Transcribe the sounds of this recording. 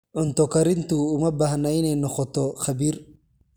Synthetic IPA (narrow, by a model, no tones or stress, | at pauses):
ʕʊnt̪ɔkɐɾɪnt̪uʊmɐbɐhnɐɪnɛjnɔqɔt̪ɔxɐbiːɾ